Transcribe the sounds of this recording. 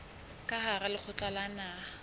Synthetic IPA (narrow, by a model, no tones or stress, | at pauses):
kʼaharalɪk͡xʰʊt͡ɬalanaː